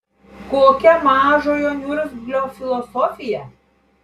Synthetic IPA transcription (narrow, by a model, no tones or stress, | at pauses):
koːkʲɛmɑːʒoːjoːnʲuːɾʲɪzblʲoːfʲɪlˠɔsɔfʲɪjɛ